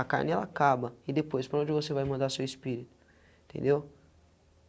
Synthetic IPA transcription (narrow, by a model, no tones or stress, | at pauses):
aka̰ɾnɛlakabɐɪd̪epojspɾɐ̃d͡ʒɪvosevajmɐ̃nd̪asewispiɾit̪ʊ̥ | ĩt̪ẽnd̪ew